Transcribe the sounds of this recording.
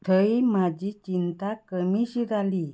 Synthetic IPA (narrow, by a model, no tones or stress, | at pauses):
t̪ʰəimad͡ʑit͡ɕint̪akəmiɕiɾali